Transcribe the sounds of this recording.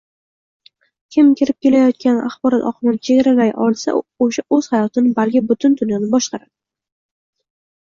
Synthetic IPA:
kʲʰɪmkʲʰɪɾɪp̚kʲe̞lajɒt̪̚kʲana̰χbɒɾɒt̪ɒ̰qʰɨmɪnɪt͡ʃʰe̞ɡʲaɾalajʔɒ̰lˠsa̰oʃaʔɵz̥hajɒt̪ʰɪnɪbalkʲɪbʊt̪ʰʊnd̪ʊnjanɪbɒʃqɑɾad̪̥ɪ

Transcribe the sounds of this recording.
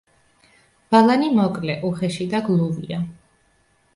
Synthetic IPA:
b̥alˠanimɔkʼlɛʔuχɛʃid̪aɡlˠuvḭa

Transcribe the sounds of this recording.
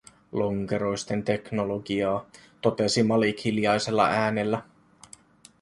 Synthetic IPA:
lo̞ŋke̞ɾo̞jst̪e̞nt̪e̞kno̞lo̞ɡiɑːt̪o̞t̪e̞simɑlikhiljɑjse̞lːɑ̰ʔæːne̞lːæ

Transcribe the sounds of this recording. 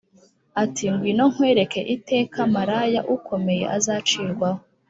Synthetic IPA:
atiŋɡwino̞ŋ̥hwe̞ːɾe̞ke̞̰ʔite̞ːkʰamaɾajaʔukʰo̞me̞je̞̰ʔazaːt͡ʃiːɾɡwaho

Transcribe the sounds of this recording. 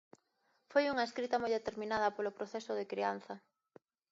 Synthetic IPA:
fojuŋɐeskɾit̪ɐmojðet̪eɾmĩnað̞ɐpolʊpɾoθɛsʊðɪkɾian̟θɐ

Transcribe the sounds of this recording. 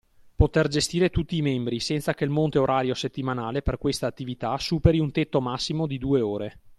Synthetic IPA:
pot̪erd͡ʒest̪iːɾet̪ut̪ːiːmembɾisɛnt̪sakeilmont̪eoɾʔaːɾjoset̪ːimanaːleperkwest̪aːt̪ːivit̪asuːpeɾiunt̪et̪ːomasːimod̪id̪uːeoːɾe

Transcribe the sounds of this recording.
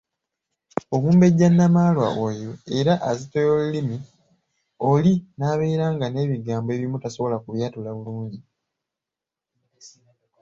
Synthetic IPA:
o̞βuːmbe̞ɟːanːamaːlwa̰ʔojo̞e̞ɾaʔːzitojolulimi | o̞linaːβe̞ːɾaːŋɡane̞ːβiɡaːmboe̞ːβimutaso̞βo̞lakuβjaːtulaβuluːɲɟi

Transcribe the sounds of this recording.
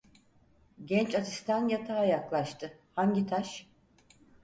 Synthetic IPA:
ɟɛnt͡ʃat̪ʰist̪ʰanjat̪ʰaːjaklˠaʃt̪ʰɯhaɲɟit̪ʰaʃ

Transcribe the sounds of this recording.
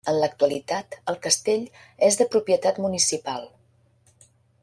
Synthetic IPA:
ənlək̚t̪uəlit̪at̪əlˠkəst̪eʎ | ezðəpɾupjət̪at̪munisipalˠ

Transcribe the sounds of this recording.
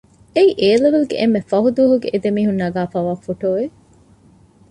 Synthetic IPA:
eiʔeːleʋelɡḛʔemːefɐɦud̪uːɦuɡeʔed̪emiːɦunːɐɡaːfaːʋaːfoʈoːʋe

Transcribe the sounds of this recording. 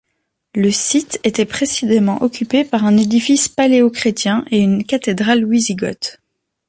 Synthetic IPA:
ləsit̪et̪ɛpχesizemɑ̃ʔɔkʲypepaʁɛ̃ned̪ifispaleokχet̪jɛ̃ʔeynkat̪ed̪ʁalɥiziɡɔ̰t̪

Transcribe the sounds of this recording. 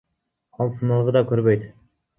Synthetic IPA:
ɑlˠsənɑlˠʁəd̪ɑkɵɾbøjt̪

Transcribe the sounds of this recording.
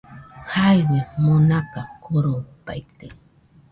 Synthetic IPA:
hajwɪmʊnakakʰoɾompa̰jt̪e

